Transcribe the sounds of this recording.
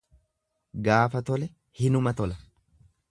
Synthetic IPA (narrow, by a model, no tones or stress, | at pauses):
ɡaːfɐt̪ɔlɛ | hɪnʊmɐt̪ɔlɐ